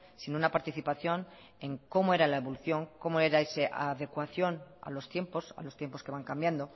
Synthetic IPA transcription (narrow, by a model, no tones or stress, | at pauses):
sinunapaɾt̪iθipaθjo̞n | e̞ŋko̞moe̞ɾalaeβoluθjo̞ŋko̞moeɾaeseʔa̰ðe̞kwaθjo̞na̰lo̞st̪je̞mpo̞sa̰lost̪je̞mpo̞skeβaŋkambjand̪o̞